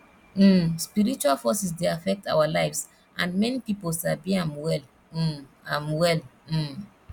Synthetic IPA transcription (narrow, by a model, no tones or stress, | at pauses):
m̩spiɹit͡ʃualfɔsisdeafɛk̚tʰa̰walaɪfs | ʔãnmɛnipipolsabiãmwɛl̩ | ãmwɛl̩